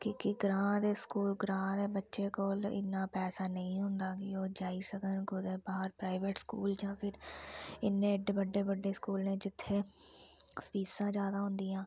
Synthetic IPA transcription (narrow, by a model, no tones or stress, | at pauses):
kɪkɪɡɾãːd̪eːskuːlɡɾãːd̪eːbətːʃeːkoːlɪ̰nːãːpɛːsaːnəĩːɦʊ̃nd̪aːkɪoːd͡ʒaːiːsəkəɳɡʊd̪eːbaːɦəɾpɾaːɪʋeːʈskṵːld͡ʒãːpʰɪɾɪnːẽːəɖeːbəɖːeːbəɖːeːskuːlnẽːd͡ʒɪt̪ʰːeː | əpiːsãːd͡ʒaːd̪aːɦʊ̃nd̪iːãː